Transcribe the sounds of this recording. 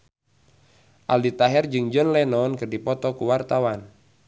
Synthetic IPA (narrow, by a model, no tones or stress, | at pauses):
ʔaldit̪aɦɛrd͡ʒɨŋd͡ʒɔnlɛnɔnkɨrdipɔt̪ɔkuwart̪awan